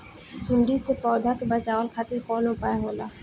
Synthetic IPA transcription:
sʊɳɖisepɔːd̪ʱəkbət͡ʃaːwəlkʰaːt̪ɪɾpɔːlõpaːjaɦoːlaː

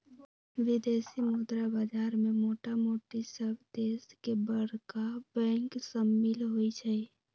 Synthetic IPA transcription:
ʋɪd̪eːsimʊd̪ɾabad͡ʒaːɾmẽmoːʈamoːʈisəbd̪eːskebəɽkabɛ̃ːŋksəmːɪlɦoit͡ʃʰɛi

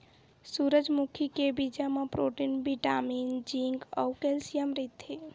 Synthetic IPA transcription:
suɾəd͡ʒmukʰikebid͡ʒamepɾoʈinbiʈamind͡ʒiŋɡɔ̰wkelsijəmɾət̪ʰe

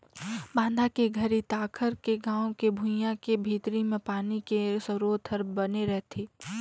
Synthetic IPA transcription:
bãːnd̪ʱakeɡʱəɾit̪aːkʰəɾkeɡãːõkebʱʊ̃jãkebʱiːt̪ɾimẽpaːnikesəɾoːt̪ʰəɾbɐneɾɛɦt̪ʰeː

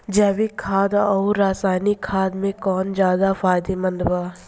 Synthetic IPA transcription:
d͡ʒaːʋikʰaːd̪ɔːɾaːsaːɪnikʰːaːd̪mẽkɔːnd͡ʒjaːd̪afʰaːjd̪emə̃nd̪waː

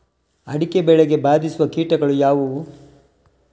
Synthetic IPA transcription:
ɐɽikebɛɭeɡe̞baːd̪isuʋɐkiːʈɐɡɐɭujaːʋu

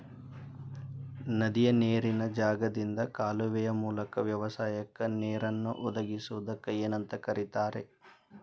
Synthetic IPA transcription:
nɐd̪ijɐneːɾinɐd͡ʒaːɡɐd̪ind̪ɐkaːluʋɛjɐmuːlɐkɐʋjɐʋɐsaːjɐkːɐneːɾɐnːuʔɔd̪ɐɡisuʋud̪ɐkːɐeːnɐnt̪ɐkɐɾit̪aːɾe

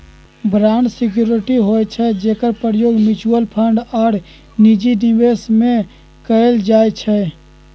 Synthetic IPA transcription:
bʱɾaːɳɖsɪk̬juːɾɪʈiɦoːɛt͡ʃʰɛd͡ʒeːkəɾpəɾjoːɡmɪt͡ʃuəlpʰəɳɖaːɾ | nid͡ʒinɪweːsmẽ | kəeld͡ʒaːet͡ʃʰɛ

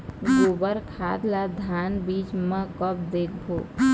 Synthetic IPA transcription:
ɡoːbəɾkʰaːd̪lad̪ʱaːnbiːt͡ʃmə̃kəp̚d̪eːkʰbʱoː

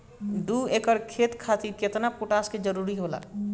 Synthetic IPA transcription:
ɖuːeːkəɾkʰeːt̪kʰaːt̪iket̪napuʈaːsked͡ʒəɾuːɾiɦoːla̰ː

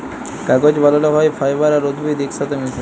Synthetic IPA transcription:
kaɡod͡ʑbalaloɦɔefʰajbaɾaɾod̪bid̪ikʃat̪emis

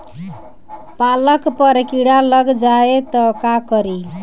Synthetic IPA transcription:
palʌkpʌɾkiɽalʌɡd͡zaet̪ʌkakʌɾi

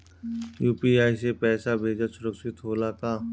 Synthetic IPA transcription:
juːpiaːisepɛːsabʱeːd͡ʒasʊɾəksɪt̪ɦoːlakaː

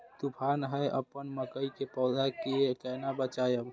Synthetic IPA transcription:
t̪upʰanɦəjʔə̰pənməkəjkepɔːd̪ʱakeekənabət͡ʃajəm

